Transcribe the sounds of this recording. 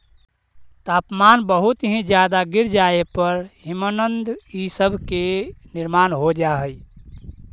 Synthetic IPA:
t̪aːpmaːnbəɦʊt̪ɦĩd͡ʒjaːd̪aɡɪɾd͡ʒaepəɾhɪmənənd̪isəbʱkenɪɾmaːnɦod͡ʒaːɦəj

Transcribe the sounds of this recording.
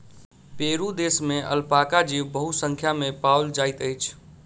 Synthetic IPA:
peɾud̪esmeʔə̰lpakad͡ʒiʋbəɦusəŋkʰjamepawld͡ʒajt̪əjt͡ʃʰ

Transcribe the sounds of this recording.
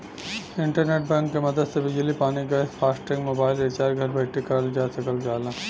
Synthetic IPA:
ɪ̃ɳʈəɾneːʈ̚bɛ̃ːŋkːemɐd̪əd̪sebɪd͡ʒəlipaːniɡaɪspʰaːsʈẽŋɡmoːbaːɪlet͡ʃaːɾɡʱɐɾbʱɐʈekɐɾld͡ʒaːsɐkəld͡ʒaːlaː

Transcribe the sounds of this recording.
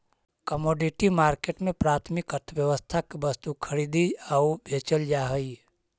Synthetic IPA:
kəmoːɖiʈimaːɾkeːʈmẽpɾaːt̪ʰmɪkəɾt̪ʰəʋjəʋəst̪ʰakibɐst̪ukʰəɾiːd̪iaubʱeːt͡ʃəld͡ʒaːɦəi

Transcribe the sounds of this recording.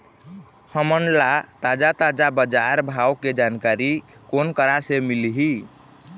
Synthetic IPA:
həmənlat̪ad͡ʒat̪ad͡ʒabəd͡ʒaɾbʱawked͡ʒankaɾikonkəɾasemilɦi

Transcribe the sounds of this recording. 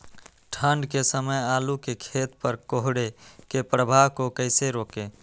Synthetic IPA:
ʈʰəɳɖkesəməjalukekʰet̪pəɾkoɦɽekepɾəbʱaʋkokəɪseɾoːke

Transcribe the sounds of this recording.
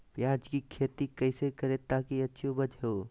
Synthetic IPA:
pjad͡ʒkikʰeːt̪ikəɪsekəɾet̪akiɐtːʃʰobəd͡ʒɦo

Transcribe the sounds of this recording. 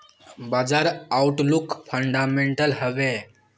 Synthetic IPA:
bad͡zaɾawʈlukfʰəɳɖameɳʈəlɦəʋe

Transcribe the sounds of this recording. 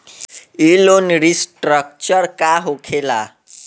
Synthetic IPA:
ilonɾisʈrʌk̚t͡sʌrkaɦokʰela

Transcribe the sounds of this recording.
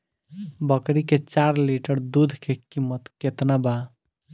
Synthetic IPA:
bəkɾiket͡ʃaɾliʈəɾd̪ud̪ʱkekimːət̪ket̪naba

